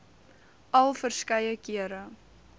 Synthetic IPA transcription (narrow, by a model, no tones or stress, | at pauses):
ʔɐlˠfərskɐjəkiəɾə